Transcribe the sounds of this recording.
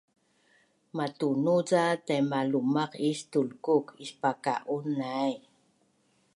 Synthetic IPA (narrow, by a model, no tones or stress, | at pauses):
matunuzatajmalumaqistulkukispaka̰ʔunːaj